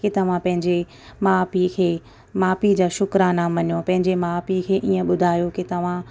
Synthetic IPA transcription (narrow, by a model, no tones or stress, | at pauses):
kɪt̪ɐʋ̤ãpɐ̃ɦɪ̃ɲd͡ʑe | maːpikʰeː | maːpid͡ʑaːʃʊkɾanaːmɐɲjopɐ̃ɦɪ̃ɲd͡ʑemaːpikʰeːʔiːə̃ɓʊd̪ʱaːjokɪt̪ɐʋ̤ã